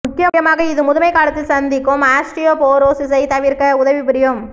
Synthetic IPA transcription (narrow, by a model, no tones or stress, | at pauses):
ʊkːɪjɐjɐmaːɣɐɪðɯmʊðɯmɐɪkːaːɭɐt̪ːɪlsɐnd̪ɪkːɯmaːsʈɪjoːpoːɾoːsɪsɐɪt̪ɐʋɪɾkɐʊðɐʋɪpɪɾɪjɯm